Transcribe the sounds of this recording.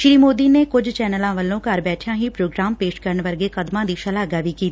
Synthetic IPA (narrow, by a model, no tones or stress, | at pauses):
ʃɾiːmoːd̪iːneːkʊd͡ʒt͡ʃɛːnəlãːʋəlːõːkəɾbɛːʈʰjãːɦiːpɾoːɡɾaːmpeːʃkəɾəɳʋəɾɡeːkəd̪mãːd̪iːʃəlaːɡaːʋiːkiːt̪ː